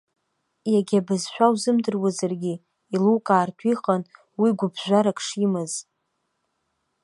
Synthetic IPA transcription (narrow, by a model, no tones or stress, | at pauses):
jaɡʲabazʃʷᶣawzɨmdɨrwazarɡʲi | ilukʼaːrtʷʰiχan | wiɡʷʊbʒʷaɾakʰʼʂimɨz